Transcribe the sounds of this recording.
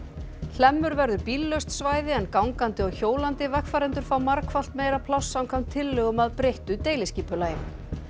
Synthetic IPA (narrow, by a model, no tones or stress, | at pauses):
l̥ɛmːʏɾvɛɾðʏpilːœst̪svaːjðɪɛnkawŋkant̪ɪɔɣçoːwlant̪ɪvɛxfaɾɛnt̪ʏɾ̥fawmaɾkfawl̥t̪meːjɾapʰlawsːawŋkʰamt̪ʰɪlːœɣʏmaðpɾejht̪ʏt̪eːjlɪsciːpʏlaːjɪn